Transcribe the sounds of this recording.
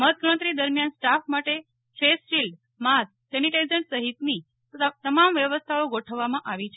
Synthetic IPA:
məɦət̪ʋəɾə̃t̪ɾid̪əɾmjansʈafmaʈe | fesʃilɖ | mas | sɛniʈezəɳʈsəɦit̪ni | t̪əmamʋjəʋəst̪ʰaoɡoʈʰəʋːamãʔaʋit͡ʃʰe

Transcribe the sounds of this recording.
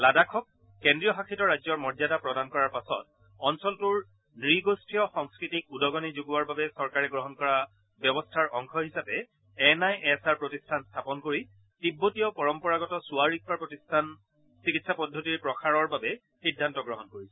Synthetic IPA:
ladakʰɔkː | endɹijɔxakʰitɔɹajzɔɹmɔɹzadapɹɔdankɔɹaɹpasɔ̰t̚ | ɔnsɔltuɹ | nɹiɡostʰɹijɔxɔŋskɹitikudɔɡɔnizuɡuwaɹbabɛsɔɹkaɹɛɡɹɔɦɔnkɔɹa | bjɔbɔstʰaɹʔɔŋkʰɔɦisapɛ | ɛnajʔɛsaɹpɹotistʰanstʰapɔnkoɹi | tibːotijɔpɔɹɔmpɔɹaɡɔtɔsuwaɹik̚ʰbaɹpɹotistʰan | sikitsapɔdʱːotiɹpɹɔxʰaɹɔɹbabɛ | xidʱːantɔɡɹɔɦɔnkoɹisɛ

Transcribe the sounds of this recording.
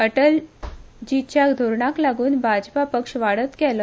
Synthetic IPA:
əʈəld͡ʑit̪̚t͡ɕaɡd̪ʱoɾɳaklaɡuːnbʱad͡ʑpapəkʂʋaɽət̪kɛlə

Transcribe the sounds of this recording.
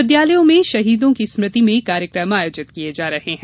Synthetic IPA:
ɪd̪jaːləjõmẽʃɐɦiːd̪õkismɾɪt̪imẽkaːɾjəkɾəmaːjoːd͡ʒɪt̪kied͡ʒaːɾɐheɦɛ̃

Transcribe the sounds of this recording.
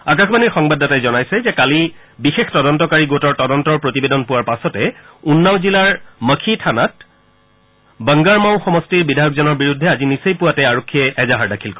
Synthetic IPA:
ak̬akʰbaniɹxɔŋbadːatajzɔnajsɛzɛkali | bixextɔdɔntɔkaɹiɡotɔɹtɔdɔntɔɹpɹotibedɔnpʊwaɹpasɔtɛ | unːawzilaɹməkʰitʰanat̚ | bəŋɡaɹmaʊ̃xɔmɔstiɹbidʱajɔkzɔnɔɹbiɹudʱːɛazinisejpuwatɛaɹokʰːiɛʔɛzaɦaɹdakʰilkɔ

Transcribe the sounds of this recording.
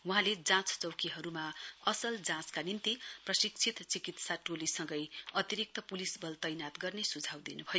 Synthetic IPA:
wuɦãled͡zãt͡st͡sʌwkiɦʌɾumaʌsʌld͡zãt͡skanint̪iprʌsik̚t͡sʰit̪t͡sikit̪saʈolisʌ̃ŋɡʌjʌt̪iɾik̚t̪ʌpulisbʱʌlt̪ʌjnat̪ɡʌrnesud͡zʱawd̪inubʱʌjo

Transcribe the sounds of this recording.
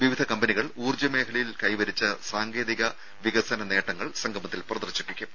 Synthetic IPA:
ʋiʋid̪ʱɐkɐmbɐniɣɐɭuːrd͡ʑɐme̞ːkʰɐɭɐjilkɐjʋɐɾit͡ɕːɨsaːŋɡe̞ːðiɣɐ | ʋiɣɐsɐnɐne̞ːʈːɐŋːɐɭsɐŋɡʱɐmɐt̪ːilprɐðɐrɕipːikʲːum

